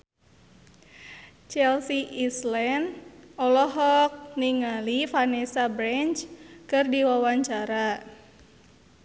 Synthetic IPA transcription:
t͡ʃɛlsiʔislɛnɔlɔɦɔk̚niŋalifanesabɾɛɲt͡ʃkɨrdiwawaɲt͡ʃaɾa

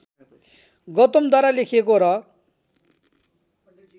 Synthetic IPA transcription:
ɡʌt̪omd̪ʱaɾalekʰekoɾʌ

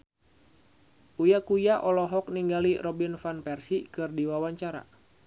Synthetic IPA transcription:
ujakujaʔɔlɔɦɔkniŋɡalirɔbinfanpɛrsikɨrdiwawaɲt͡ʃaɾa̰

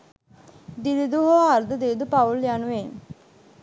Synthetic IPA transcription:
d̪ilid̪uɦoaɾd̪əd̪ed̪upauljanuʋen

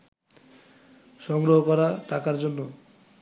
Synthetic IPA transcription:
ʃɔŋɡɾoɦokɔɾaʈakaɾd͡ʒonːo

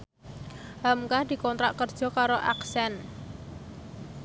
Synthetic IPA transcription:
ɦamkahd̪̥i̤kɔnt̪ɾaʔkərd̥ʒ̥ɔ̤kaɾoʔa̰ksɛn

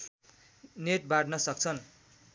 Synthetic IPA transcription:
net̪̚baɖnʌsʌk̚t͡sʰʌn

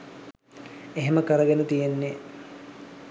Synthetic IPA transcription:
eɦeməkəɾəɡenət̪ijenːe

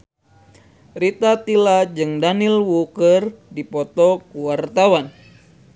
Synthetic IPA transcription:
rit̪at̪ilad͡ʒɨŋdanilwukərdipɔt̪ɔkuwart̪awan

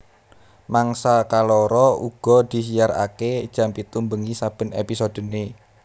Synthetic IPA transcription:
maŋsakalɔɾɔuɡ̥ɔ̤d̪̥i̤s̬iara̰ked̥ʒ̥ä̤mpit̪umbəŋisab̥ə̤nḛpisod̪̥ə̤ne

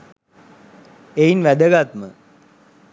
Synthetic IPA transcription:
ejinʋæd̪əɡat̪mə

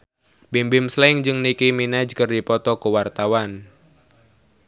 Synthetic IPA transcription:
bimbɪmslaɪŋd͡ʒɨŋnikiminad͡ʒkɨrdipɔt̪ɔkəwart̪awan

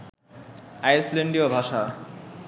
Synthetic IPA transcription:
ajsleɳɖiobʱaʃa

